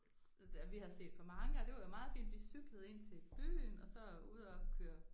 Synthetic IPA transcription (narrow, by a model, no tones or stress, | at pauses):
æʋihæðˠse̝̰ːd̥pʰɒ̽mɑ̈ŋəɒd̥e̝ʋɑ̈jo̝mɑ̈ːð̞̩ˠfḭːnd̥ʋisyɡ̥ləð̩ˠe̝n̰t͡sʰe̝b̥y̰ːnɒ̽sɒ̽uð̰ˠɒkʰøɐ